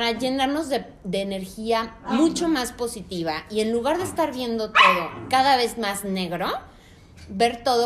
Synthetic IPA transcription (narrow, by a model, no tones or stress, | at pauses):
pɾaʝe̞naɾno̞zðe | d̪e̞ːneɾxiamut͡ʃo̞maspo̞sit̪iβ̞aie̞nluɣaɾðeːst̪aɾβje̞nd̪o̞t̪o̞ðo̞kaðaβ̞e̞zmazne̞ɣɾo̞ | be̞ɾt̪o̞ðo